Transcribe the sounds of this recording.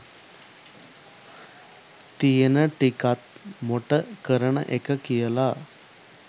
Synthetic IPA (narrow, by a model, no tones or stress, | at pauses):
t̪ijenəʈikat̪̚moʈəkəɾəɳə̰ʔekəkijəla